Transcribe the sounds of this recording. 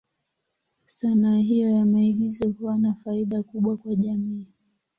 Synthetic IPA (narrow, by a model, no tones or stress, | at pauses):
sanaɦijɔjamaiɡizɛkuwanafaiɗakuɓwakwaʄamiː